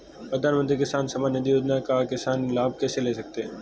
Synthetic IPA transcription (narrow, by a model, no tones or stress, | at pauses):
pɾɐd̪ʱaːnmə̃nt̪ɾikɪsaːnsɐmanɪd̪ijoːd͡ʒ̪nakakɪsaːnlaːb̚kɛːseleːsɐk̚t̪eɦɛ̃